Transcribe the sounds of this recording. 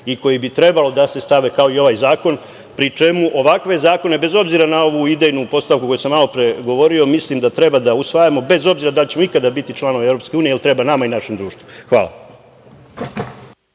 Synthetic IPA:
iko̞jibit̪ɾe̞balo̞d̪ase̞st̪aʋe̞kao̞io̞ʋajzaːko̞n | pɾit͡ʃe̞muʔo̞ʋakʋe̞zaːko̞ne̞be̞zo̞bziɾanao̞ʋuid̪ejnupo̞st̪aʋkuko̞jusamːalo̞pɾe̞ɡo̞ʋo̞ɾio̞mislimd̪at̪ɾe̞bad̪ausʋajamo̞be̞zo̞bziɾad̪alt͡ɕe̞mo̞ikad̪abit̪it͡ʃlˠano̞ʋeevɾo̞pskeuːnijeelit̪ɾe̞banamainaʃemd̪ɾuːʃt̪ʋuxʋa̰ːla̰

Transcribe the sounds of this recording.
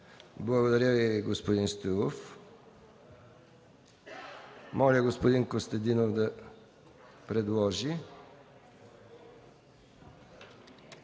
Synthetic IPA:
blaɡod̪aɾjaviɡospod̪inst̪uf | mɔɾjaɡospod̪iŋkost̪əd̪inovd̪ə | pɾɛd̪wɔʒi

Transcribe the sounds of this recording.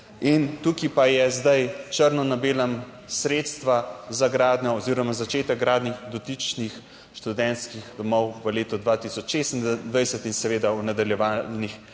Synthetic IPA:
int̪ukipajɛzd̪ajt͡ʃəɾnɔnabeːlam | sɾeːt̪st̪ʋazaɡɾaːd̪ɲʲɔɔziɾɔmazat͡ʃeːt̪əkɡɾaːd̪nixd̪ɔt̪it͡ʃnix | ʃt̪ud̪ɛnt̪skixd̪ɔmɔwʋəleːt̪ɔd̪ʋat̪isɔt͡ʃʃest̪nd̪ʋajsət̪insɛʋeːd̪aunad̪aljɛʋaːlnix

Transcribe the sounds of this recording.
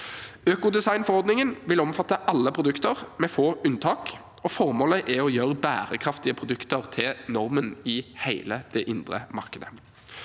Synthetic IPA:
øːkʊd̪ɛsɑɪnfɔʁɔʁd̪nɪŋənʋɪlɔmfɑt̪ːəʔɑlːəpʰʁʊd̪ʉkt̪əʁmɛːfoːʔʉnt̪ʰɑːk | ɔfɔʁmoːləʔɛɔjøːʁəbæ̰ːʁəkʰʁɑft̪ɪəpʰʁʊd̪ʉkt̪əʁt̪ʰɪlnɔʁmənɪheɪləd̪̥ɛʔɪnd̪ʁə̰mɑ̰ʁkəd̪ə

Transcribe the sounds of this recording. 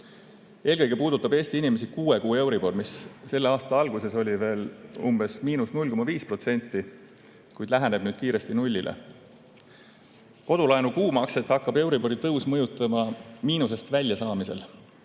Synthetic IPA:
e̞ːlkɤjɡ̥e̞puːd̪ut̪ːˑɑbe̞ːsʲt̪iinime̞s̬ikuːe̞kuːe̞wɾib̥o̞rmisːe̞lːeɑːst̪ɑɑlɡ̥use̞so̞lʲive̞ːlumb̥e̞smiːnusnulʲko̞mɑviːspro̞t̪se̞nʲt̪ˑːi | kujd̪̥læɦæneb̥nyːd̪̥kiːɾe̞st̪inulʲːilʔḛ | ko̞d̪̥ulɑenukuːmɑkse̞t̪hɑkːɑbe̞wɾibo̞ɾit̪ɤwsmɤjut̪ːˑɑmɑmiːnus̬e̞st̪vælʲjɑsɑːmise̞̰l

